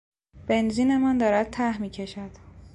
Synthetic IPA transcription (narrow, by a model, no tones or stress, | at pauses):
b̥e̞nziːne̞mænd̪ɒːɾæd̪̥̚t̪ʰæhmiːcʰe̞ʃæd̪̥